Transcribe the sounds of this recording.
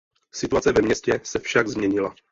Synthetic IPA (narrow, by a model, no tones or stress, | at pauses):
sɪt̪uat͡sɛvɛmɲɛscɛsɛfʃaɡzmɲɛɲɪla